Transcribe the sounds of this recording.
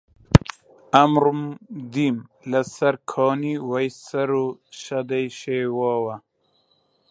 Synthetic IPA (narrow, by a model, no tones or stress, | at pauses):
amɾumd̪im | lɐsɐɾkʰoːniwɐjsɐɾoɕad̪ajɕeːwaːwa